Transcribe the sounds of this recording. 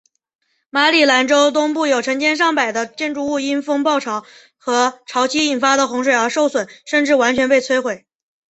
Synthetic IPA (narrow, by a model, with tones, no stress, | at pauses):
ma˧˥li˥˨˩la˧˥nʈ͡ʂo˥ʊt̪ʊ˥ŋpu˥˩jo˨˩ʊʈ͡ʂʰɤ˧˥ŋt͡ɕjɛ˥nʂ̬ɑ˥˩ŋpa˨˩ɪd̪ə˦t͡ɕjɛ˥˧nʈ͡ʂu˥˧u˥˧i˥nfɤ˥ŋpɑ˥˩ʊʈ͡ʂʰɑ˧˥ʊ | xɤ˧˥ʈ͡ʂʰɑ˧˥ʊt͡ɕʰi˥i˨˩nfa˥d̪ə˨xʊ˧˥ŋʂwe˨˩ɪə˞˧˥ʂo˥˩ʊswə˨˩˦nʂə˥˧nʈ͡ʂɻ̩˥˩wa˧˥nt͡ɕʰɥɛ˧˥npe˥˧ɪt͡sʰwe˥ɪxwe˨˩ɪ